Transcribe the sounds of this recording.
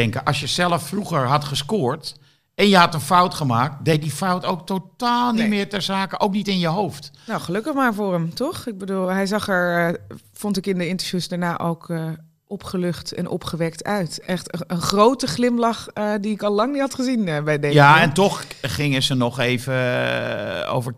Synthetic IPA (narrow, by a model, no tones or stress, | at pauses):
ɛŋkəʔɑsjəzɛləfːruχəɹɦɑtχəskʊːɹt | ɛnjəɦɑtənfawtχəmaːk̚tdej̚difawtowk̚totaːlˠnimɪːɹtɛɹzaːkəʔowknitɪnjəɦowftnowχəlɵkəχmaːɹfʊːɹəmtɔχɪɡ̚bədulˠɦɛjzɑχɛɹ | fɔntɪkɪndəɪntəɹfjusdaɹnaːʔo̰wkə | ʔɔpχəlɵχtɛ̰nʔɔ̰pχəʋɛktœɥtʔɛχtəənχrowtəχlɪmlɑχdiɪkɑlˠlɑŋnitɦɑtχəzinbɛjdeaɛntɔχχɪŋəzənɔχejvə | o̰wvə